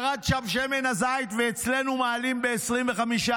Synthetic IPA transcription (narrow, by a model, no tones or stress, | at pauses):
ʁat̪ʃavʃemenazajt̪veːt͡sle̞numaːlimbe̞ːsʁimveχamiʃa